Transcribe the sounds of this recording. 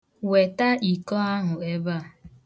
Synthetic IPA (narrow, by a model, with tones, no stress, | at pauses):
we˨ta˦i˨kɔ˦a˦ɦʊ˨e˦ba˦˨